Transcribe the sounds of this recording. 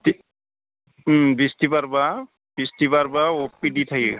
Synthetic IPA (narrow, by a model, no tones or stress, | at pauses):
ti | bistipaɹba | b̥istipaɹbaopːidit̪ʰaki